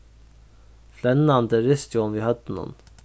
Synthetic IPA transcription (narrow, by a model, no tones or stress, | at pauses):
flɛnɑnd̪əɾɪst̪juɔmʋihɑd̪ənɔ̰ːn